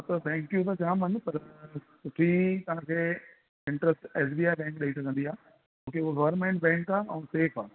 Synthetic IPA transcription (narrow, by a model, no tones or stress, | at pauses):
t̪ɐt̪ʰɛ̃ŋkjut̪̬ɐt͡ɕaːmənɪpɐɾsʊʈʰit̪ɐɦãkʰeː | ɪ̃ɳʈɾəsʈɛːs̬biːaːjbɛ̃ːŋkɗeiʈʰkʰə̃n̆d̪iaː | mõːkeuɡɐʋəɾnmẽɳʈ̚bɛ̃ːŋkaːɛ̃seːfʰaː